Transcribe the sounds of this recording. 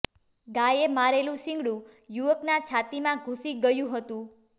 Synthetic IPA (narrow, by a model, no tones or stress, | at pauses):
ɡajemaɾelũʃɪ̃ŋɡɽũjuʋəknat͡ʃʰat̪imãɡʱũsiɡəjũɦət̪ũ